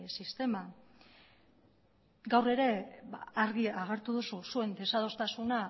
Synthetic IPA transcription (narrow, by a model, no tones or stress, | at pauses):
sist̪e̞ma | ɡawre̞ɾe̞ba̰ːɾɣiaɣ̞e̞ɾt̪uðususue̞nd̪e̞sað̞o̞st̪asuna